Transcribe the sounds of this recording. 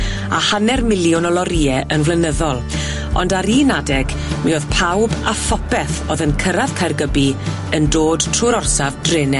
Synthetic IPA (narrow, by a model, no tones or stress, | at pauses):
ahanɛrmɪlˠjʊnɔlˠɔɾiːɛʔənvlənəðɔlˠ | ɔndaɾiːnadɛɡ | mioðpʰawbafɔpɛθo̰ðənkʰəɾav̥kʰajrɡəbi | əndoːd̥tʰruːɾɔrsavdrɪːnɛ